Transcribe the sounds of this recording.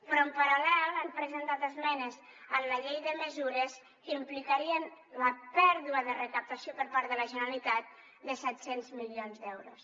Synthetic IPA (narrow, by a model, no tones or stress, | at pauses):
pɾɔəmpəɾalɛlampɾəzənt̪at̪əzmɛnəz | ənləʎejðəməzuɾəs | kimplikəɾiən | ləpɛɾðuəðərəkəp̚t̪əsiopəɾpaɾðələʒənəlit̪at̪̚ | d̪əsɛt̪senzmilionzd̪ɛwɾṵs